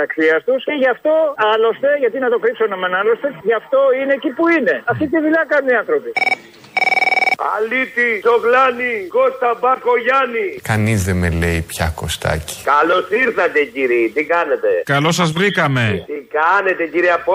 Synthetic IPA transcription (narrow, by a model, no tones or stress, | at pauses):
ɐksiɐst̪usceʝɐft̪o̞ɐlo̞st̪e̞ʝɐt̪inɐt̪o̞kɾipsonemenɐlo̞st̪e̞ʝɐft̪o̞ine̞cipuine̞ɐft̪it̪iðuʎɐkɐnuniɐnθɾo̞pi | a̰lit̪isoklɐnikost̪ɐbɐko̞ʝɐnikɐnizðemeleipçɐko̞̰st̪ɐ̰ci̥kɐlosiɾθɐt̪eciɾit̪ikɐne̞t̪ekɐlo̞sɐzvɾikɐme̞t̪ikɐnet̪e̞ciɾiɐp